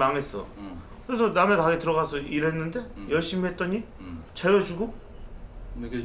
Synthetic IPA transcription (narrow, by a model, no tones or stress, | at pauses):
maŋe̞s͈ʌ̰ | kɯɾe̞sʰʌname̞kaɡetɯɾʌɣasʰʌiɾɦe̞nːɯnde̞jʌɭɕ͈imiɦe̞t̚t͈ʌɲi | t͡ɕejʌd͡ʑuɡo